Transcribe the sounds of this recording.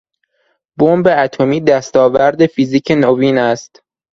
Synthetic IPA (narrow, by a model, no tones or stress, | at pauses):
bombeæt̪ʰomiːd̪æst̪ɒːvæɾd̪e̞fiziːcʰenoviːnæst̪